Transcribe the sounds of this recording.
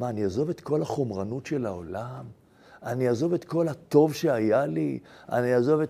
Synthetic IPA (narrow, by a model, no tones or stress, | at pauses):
maːniazo̞vet̪ko̞lhaχo̞mʁanutʃe̞lao̰lam | aniazo̞vet̪ko̞lhat̪o̞vʃe̞ajalia̰niazo̞ve